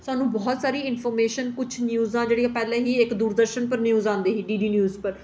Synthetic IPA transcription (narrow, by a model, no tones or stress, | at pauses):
sʊaːnũːbɔːt̪saːɾiːɪnpʰɔːɾmeːʃənkʊt͡ʃʰnjuːzãːd͡ʒeːɽijãːpɛːlẽːɦiːɪkd̪uːɾd̪əɾʃənpəɾnjuːzãːnd̪eːɦiːɖiːɖiːnjuːzpəɾ